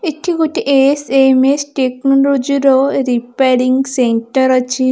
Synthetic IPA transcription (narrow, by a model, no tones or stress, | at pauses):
it̪ʰːikut̪iʔesemesʈeknoɾod͡ʒiɾoɾipeːɾiŋɡseɳʈɐɾɐt͡ʃʰi